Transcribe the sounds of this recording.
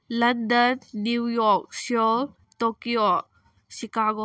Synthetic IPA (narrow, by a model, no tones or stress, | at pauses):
lɐndənːiwjɔk̚siɔl | tɔkio | sikaɡɔ